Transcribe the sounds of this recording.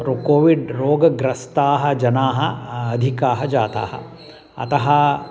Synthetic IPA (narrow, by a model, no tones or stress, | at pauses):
ɾukoːʋiɖɾoːɡɐɡɾɐst̪aːɦɐd͡ʒɐnaːɦɐɐd̪ʱikaːɦɐd͡ʒaːt̪a̰ːhɐ̰ | ɐ̰t̪ɐɦɐ